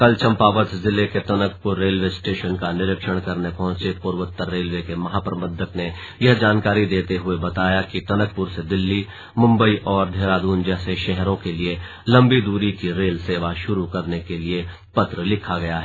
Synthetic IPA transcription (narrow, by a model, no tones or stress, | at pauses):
kɐlt͡ʃɐ̃mpaːʋət̪zɪleket̪ɐnəkpʊɾːeːlʋesʈeːʃənkanɪɾəkʃəɽ̃kɐɾnepɐɦʊ̃t͡ʃepʊɾʋət̪ːəɾːeːlʋekemɐɦaːpɾɐbəd̪ʱəkne | jɐɦd͡ʒaːnkaːɾid̪eːt̪eɦʊebɐt̪aːjakit̪ɐnək̚pʊɾsed̪ɪlːi | mʊ̃mbəiʔɔːɾd̪ʱeːɾaːd̪uːnd͡ʒɛːseʃɛɦɾõkelie | lɐ̃mbid̪uːɾikiɾeːlseːʋaʃʊɾukɐɾnekelie | pɐt̪ɾəlɪkʰaɡɐjaɦɛ